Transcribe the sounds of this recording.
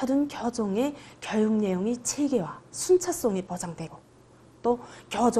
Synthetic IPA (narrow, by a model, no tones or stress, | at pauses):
ʌdɯnkjʌd͡ʑoŋe̞kjʌjuŋne̞joŋit͡ɕʰe̞ɡe̞wasʰunt͡ɕʰas͈oŋipʌd͡ʑaŋdwe̞ɡo | t͈okjʌd͡ʑ